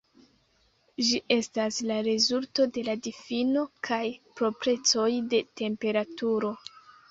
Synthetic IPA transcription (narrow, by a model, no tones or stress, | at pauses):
d͡ʒiʔe̞staslaɾe̞zulto̞de̞ladifino̞kʰajpɾo̞pɾe̞t͡so̞jde̞te̞mpe̞ɾatuɾo̞